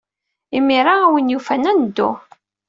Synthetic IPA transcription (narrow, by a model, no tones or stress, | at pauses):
imːiɾˤaːwənjufænænd̪ːʊ̰